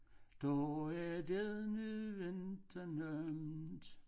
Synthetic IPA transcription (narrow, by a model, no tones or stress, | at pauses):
d̥ɔædeðˠnyʋend̥ʰɐnømd̥